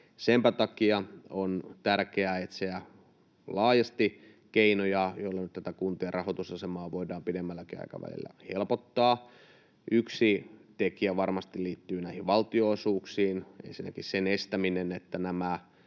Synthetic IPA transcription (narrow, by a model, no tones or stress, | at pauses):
sempæt̪ɑkiɑont̪ærkeæet̪seæ | lɑːjɑst̪i | keinojɑjoilːɑnyt̪t̪æt̪ækunt̪iɑrɑhot̪usɑsemɑːʋoidɑːmpidemːælːækiɑ̰ijkɑ̰ʋæ̰lḭlːæ̰helpot̪ːɑː | ʔyksit̪ekiæʋɑrmɑst̪iliːt̪ːyːnæihiʋʋɑlt̪ioːsuːksiːnʔḛnsinːæ̰kissenest̪æminenet̪ːænæmæ